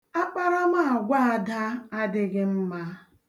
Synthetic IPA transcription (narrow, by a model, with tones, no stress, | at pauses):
a˦k͡pa˦ɾa˦ma˦a˨ɡʷa˦a˨da˦a˦dɪ˦ɡɪ˦m̩˦ma˦